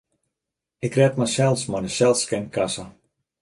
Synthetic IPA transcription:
ɪkrɛtmasɛlˠsmɔdəsɛlˠskɛnkasə

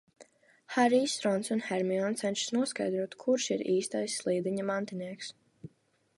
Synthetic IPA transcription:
haɾiːsɾɔnsunhɛɾmiɔnt̪sɛnʲʃsnuɔska̰jd̪ɾuɔt̪kʰuɾʃiɾiːst̪ajsːlˠiːd̪iɲɐmant̪iniɛks

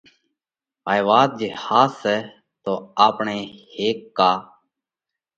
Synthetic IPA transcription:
ʋaːjʋaːt̪̚d͡ʒehaːsɛː | t̪oːaːpɳeːheːkːaː

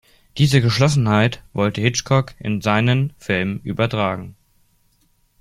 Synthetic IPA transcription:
d̥iːzəɡəʃlɔsn̩haɪtv̥ɔltəhɪt͡ʃkʰɔkʔɪ̰nzaɪnənfɪlmʔyːbɐtʁ̥aːɡŋ̩

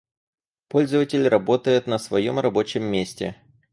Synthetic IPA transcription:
po̞lʲzəvətʲɪlʲrɐbo̞t̪əjʊt̪nəsvɐjo̞mrɐbo̞t͡ɕɪmːʲesʲtʲɪ̰

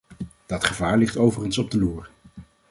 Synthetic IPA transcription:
d̥ɑtχəvaːɹlɪχtowvərənsɔb̚dəluːɹ

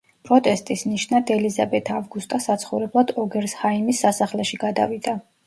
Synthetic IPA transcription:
pʼɾɔt̪ʼɛst̪ʼisniʃnad̪ʰɛlizabɛt̪ʰavɡust̪ʼasat̪sʰχɔvɾɛblˠad̪ɔɡɛɾshaimisːasaχlɛʃiɡad̪a̰vid̪a

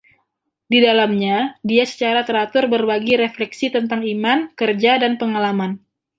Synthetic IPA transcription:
didalamɲadiasə̥t͡ʃaɾat̪əɾat̪ʊrbərbaɡiɾeflɛksit̪ənt̪aŋimankərd͡ʒadanpəŋalaman

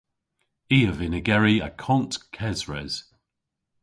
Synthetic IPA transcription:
iːəvɪnɪɡɛɹiəkʰɔ̃ntkʰɛzɹɛz̥

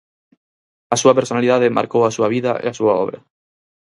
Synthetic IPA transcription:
asuapeɾsonaliðað̞ema̰ɾkowasuaβ̞iða̰ḛasuaɔ̰β̞ɾa̰

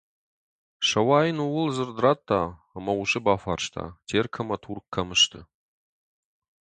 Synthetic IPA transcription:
ʂɐwaːjɪnuwʊlzɨrd̪ɨrat̪ʰːaː | mɐuɕʼɨbaːfarʂt̪ʰa̰ːtʰeːrkʰɐmɐtʰurkʰːɐmɨʃt̪ʰɨ

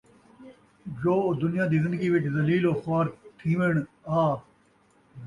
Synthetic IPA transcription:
d͡ʒoːd̪ʊnɪjãːd̪iːzɪ̃nd̪əɡiːʋɪt͡ʃʰzɐliːloːxaːɾt̪ʰĩːʋeɳ | aː

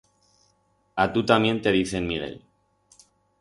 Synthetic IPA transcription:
at̪ut̪amjent̪eðiθenmiɾḛl

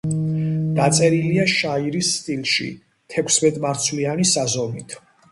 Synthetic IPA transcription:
d̪̥at̪sʼɛɾiliaʃaiɾisːt̪ʼilˠʃḭ | t̪ʰɛkʰsmɛt̪ʼmaɾt̪sʰlianisazɔmit̪ʰ

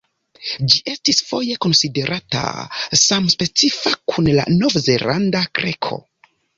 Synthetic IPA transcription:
d͡ʒiʔe̞stisfo̞je̞ko̞nside̞ɾʔata̰samspe̞t͡sifakʰunla̰no̞vze̞landakɾʔekʰo̞̰

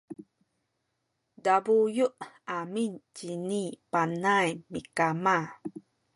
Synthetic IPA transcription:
dabujuʔamincinipanajmikama

